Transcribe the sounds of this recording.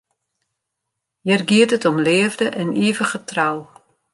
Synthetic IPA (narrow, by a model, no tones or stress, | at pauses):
jɛrɡiətətɔmlɪːəvdəʔɛniəvəχətraw